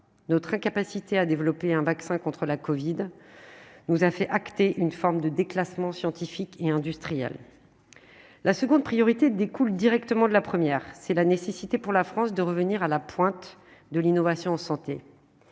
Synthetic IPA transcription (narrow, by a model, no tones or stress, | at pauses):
nɔt̪χɛ̃kapasit̪ead̪evlɔpeɛ̃vaksɛ̃kɔ̃t̪χəlakɔvid̪ | nuzafɛʔakt̪eʔynfɔʁmd̪əd̪eklasmɑ̃sjɑ̃t̪ifikeɛ̃d̪yst̪χijɛ̰l | lasəɡɔ̃d̪̚pχijɔʁit̪ed̪ekuld̪iʁɛkt̪əmɑ̃d̪əlapχəmjɛːʁsɛlanesesit̪epuʁlafχɑ̃sd̪əʁəvəniʁalapwɛ̃t̪ | d̪əlinɔvasjɔ̃ɑ̃sɑ̃t̪e